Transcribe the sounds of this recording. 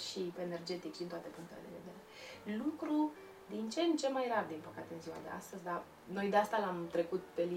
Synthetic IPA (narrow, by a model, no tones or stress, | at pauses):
ʃipeːne̞rd͡ʒe̞t̪ikʃd̪int̪at̪e̞puŋkt̪e̞led̪ḛve̞d̪e̞ɾe̞lukɾu | d̪int͡ʃe̞nt͡ʃe̞majrard̪inpəkat̪e̞ɨnziwa̰d̪e̞̰a̰st̪əzʲd̪a | no̞jd̪east̪alamt̪ɾe̞kut̪̚pe̞li